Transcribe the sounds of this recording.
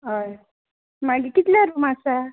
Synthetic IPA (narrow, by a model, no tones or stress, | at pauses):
ɦəj | maɡikit̪ljaɾumasa